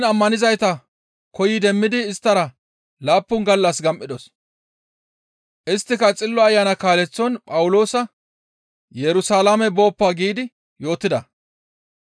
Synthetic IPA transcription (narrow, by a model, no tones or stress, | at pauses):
nɐmːɐnɪzɐjt̪ɐ | kɔjɪd̪ɛmːɪd̪ɪːst̪ːɐɾɐ | laːpːʊŋɡɐlːɐsɡɐmʔːɪd̪ɔs | ʔɪst̪ːɪkɐt͡sʼɪlːɔɐjːanɐkaːlɛt͡sːɔnpʼɐwʊlo̞ːsɐ | jɛɾʊsaːlamɛbo̞ːpːaːɡiːd̪ɪ | jo̞ːt̪ːɪd̪ɐ